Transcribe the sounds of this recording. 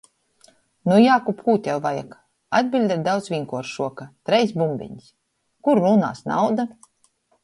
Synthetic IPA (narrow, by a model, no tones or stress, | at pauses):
nujaːkupʰuːt̪ʲɛwvaja̰k | ad̪̚ʲbʲilʲd̪ʲɛɾd̪awt̪svʲiŋkuɔɾʃuɔkat̪ɾɛjsbumbʲḭɲs | kuɾɾuna̰ːsna̰wd̪a